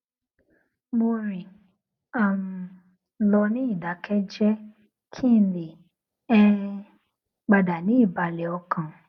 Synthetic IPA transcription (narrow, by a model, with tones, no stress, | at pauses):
mo˧ɾĩ˨ | a˦˨mu˧ | lɔ˧nĩ˦i˦˨da˨˦kɛ˦d͡ʒɛ˦ | kʰi˦n̩˦le˨ | ɛ˦ | ɡ͡ba˨da˨nĩ˨˦i˦˨ba˨lɛ˨ɔ˧kʰã˨